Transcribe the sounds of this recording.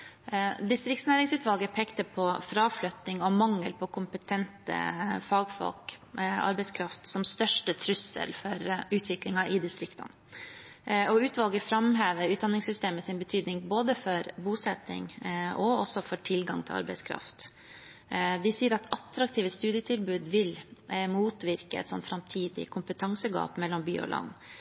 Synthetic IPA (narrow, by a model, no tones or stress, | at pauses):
d̪ɪst̪ɾɪk̚t̪snæːɾɪŋsʉːt̪ʋɑlɡəpʰeːkt̪əpʰɔfɾɑːflœt̪nɪŋɔmɑŋːəlpʰɔkʰʊmpət̪ʰɛnt̪ə̰fɑːɡfɔ̰lkɑ̰ɾbɛɪskʰɾɑft̪sɔmst̪œʂʈət̪ʰɾʉsə̰lfɔɾʉːt̪ʰʋɪklɪŋɑʔɪd̪ɪst̪ɾɪkt̪ə̰n | ɔʉːt̪ʋɑlɡəɾfɾɑmɦeːʋəɾʉːt̪̚d̪ɑnːɪŋsʏst̪eːməsɪnbət̪ʰyːd̪nɪŋboːd̪əfɔɾbuːsɛt̪ːɪ̰ŋʔɔɔsɔfɔʈʰɪlɡɑ̰ŋt̪ʰɪlɑ̰ɾbɛɪskʰɾɑ̰ft̪ | d̪ɛsiːəɾɑt̪ɑt̪ɾɑk̚t̪ʰiːʋəst̪ʉːd̪ɪət̪ʰɪlbʉːd̪ʋɪlmuːt̪ʋɪɾkəɛ̰t̪sɔ̰nt̪fɾɑmt̪ʰiːd̪ɪ̰kʰʊmpət̪ʰɑŋsəɡɑ̰ːpmɛlːɔmby̰ːɔ̰lʔɑ̰nː